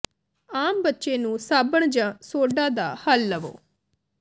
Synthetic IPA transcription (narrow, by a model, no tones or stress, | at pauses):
aːmbətːʃeːnũːsaːbəɳd͡ʒãːsoːɖãːd̪aːhəlːəʋo̰ː